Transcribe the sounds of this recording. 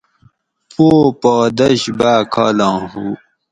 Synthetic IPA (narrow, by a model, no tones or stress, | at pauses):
poːpoːd̪ɐɕbaːkʰaːlãːɦu